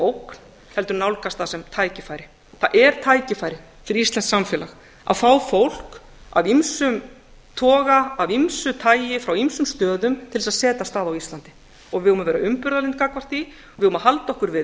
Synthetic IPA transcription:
owkn̥ | hɛlt̪ʏɾnawlkast̪θasɛmt̪ʰaːjcɪfaːjɾɪ | θaʔɛɾ̥t̪ʰaːjcɪfaːjɾɪ | fɪɾɪɾist̪lɛnsamfɛːlax | a̰ðfaːwfowl̥k | a̰vimsʏm | t̪ʰɔːɣaːvimsʏt̪ʰaːjjɪfɾawimsʏmst̪œːðʏmt̪ʰɪlɪsaðsɛːt̪ast̪aːðawist̪lant̪ɪ̥ | ɔɣvɪhuːmɪvɛːɾaʏmpʏɾðalent̪̚kaːkvar̥t̪i | ɔvɪðhumahalt̪ɔhkʏɾvɪ

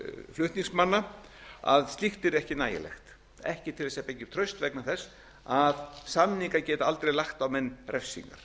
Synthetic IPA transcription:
flʏht̪niŋsmanːaa̰ðst̪ixt̪ɪɾɛhcɪnaːjɪ̰lɛ̰xt̪ | ɛhcɪt̪ʰɪlðɛsiapeɲcːɪ̥t̪ʰɾœɥst̪vɛknaθɛsː | aðsamniŋkacɛːt̪aalt̪ɾejlaxt̪awmɛnːrɛfsḭŋka̰ɾ̥

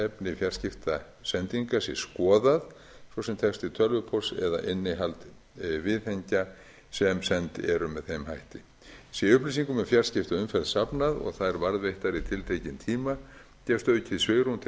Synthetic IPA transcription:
ɛpnɪfjar̥scɪft̪a | sɛnt̪iŋkasjɛskɔːðað | svɔsɛmt̪ʰɛkst̪ɪt̪ʰœlvʏpʰɔsɛ̰ða̰ʔɪnːɪɦalt̪ | vɪðheɲca | sɛmsɛnt̪ɛɾʏmɛðθejmhajht̪ɪ | sjɛʏplis̬iŋkʏmɛfjar̥scɪft̪aʏmfɛlsapnaðɔ̰ɣθaðɛɾvaɾðvejht̪aɾit̪ʰɪlt̪ʰejcɪnt̪ʰiːma | cɛfst̪œðʏcʰɪðsveɣɾunt̪ʰ

